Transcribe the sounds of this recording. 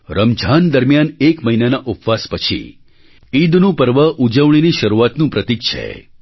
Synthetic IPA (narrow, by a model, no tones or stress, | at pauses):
ɾəmd͡ʒʱand̪əɾmjanekməɦinanaʔupʋaspət͡ʃʰḭ | id̪nũpəɾʋəʔud͡ʒəʋɳ̃iniʃəɾuat̪nũpɾət̪ik̚t͡ʃʰḛ